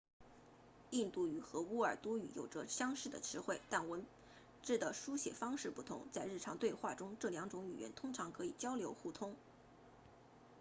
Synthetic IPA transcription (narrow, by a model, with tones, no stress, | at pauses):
i˥˧nt̪u˥˩y˨˩xɤ˧˥u˥ə˞˨˩t̪wɔ˥y̰˧˥jo̰˨˩ʊʈ͡ʂə˧˦ɕjɑ˥ŋʂɻ̩˥˩d̪ə̰˩ʈ͡ʂʰɻ̩˧˥xwe˥˩ɪt̪a˥˩nwə˧˥n | ʈ͡ʂɻ̩˥˩d̪ə˩ʂu˥ɕjɛ̰˨˩fɑ˥ŋʂɻ̩˥˧pu˥˩t̪ʰʊ̰˧˥ŋt͡sa˥˧ɪɻ̩˥˩ʈ͡ʂʰɑ˧˥ŋt̪we˥˧ɪxwa˥˩ʈ͡ʂʊ˥ŋʈ͡ʂɤ˥˩ljɑ˧˥ŋʈ͡ʂʊ˧˥ŋy˨˩ɥjɛ̰˧˥nt̪ʰʊ˥ŋʈ͡ʂʰɑ˧˥ŋkʰɤ˧˥i˨˩t͡ɕjɑ˥ʊljo˧˥ʊxu˥˩t̪ʰʊ˥ŋ